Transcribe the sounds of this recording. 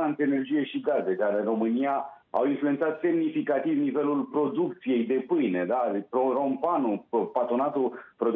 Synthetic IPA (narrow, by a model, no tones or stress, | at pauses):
aɨnt̪ɾeːne̞rd͡ʒije̞ʃiɡaze̞d̪aɾɨnɾo̞mɨnia | a̰winfluent̪sat̪se̞mnifikat̪ivnive̞lulpɾo̞d̪ukt̪sije̞jd̪e̞pɨjned̪apɾoɾo̞mpanupat̪ɾo̞nat̪upɾo̞